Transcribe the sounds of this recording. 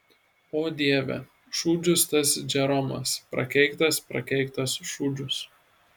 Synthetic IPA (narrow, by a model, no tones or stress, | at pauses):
oːd̪ʲiɛʋʲɛ̰ | ʃuːd͡ʒʲʊst̪ɐsd͡ʒʲɛɾɔmɐ̰spɾɐ̰kʲɛɪkt̪ɐspɾɐ̰kʲɛɪkt̪ɐsʃuːd͡ʒʲʊs